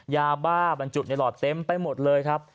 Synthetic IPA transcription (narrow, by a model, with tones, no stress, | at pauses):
jaː˧baː˥˩ba˧nt͡ɕu˨˩t̪̚ni˧˩lɔː˨˩t̪ːe˧˥mpa˧jmo˨˩t̪̚lɤː˧jkʰa˦˥p̚